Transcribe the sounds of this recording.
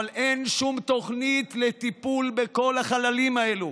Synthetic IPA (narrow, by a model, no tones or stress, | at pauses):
alʔenʃumt̪o̞χnit̪let̪ipulbeko̞laχalalimaelu